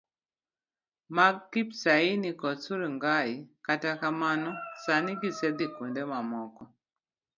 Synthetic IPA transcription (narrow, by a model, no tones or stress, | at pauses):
makipsainikɔt͡suɾiŋɡaikatakamanɔsaniɡisɛðikundɛmamɔkɔ